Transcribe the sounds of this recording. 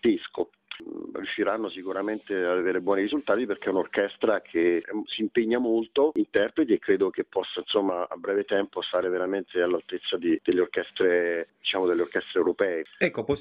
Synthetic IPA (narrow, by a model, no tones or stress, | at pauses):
d̪isko | rjuʃːiɾanːosikuɾament̪ead̪aveːɾebwɔːniɾizult̪aːt̪iperk̟eɛunorkɛst̪ɾakʰeɛsiːmpeɲːamolt̪oint̪ɛrpɾet̪̬iekːɾeːd̪okepːɔsːainsomːaa̰bːɾɛːvet̪ɛmpost̪aːɾeveɾament̪ealːalt̪et̪sːad̪id̪̥elːeorkɛst̪ɾed̪it͡ʃaːmod̪elːeorkɛst̪ɾewɾopɛːeɛkːopɔ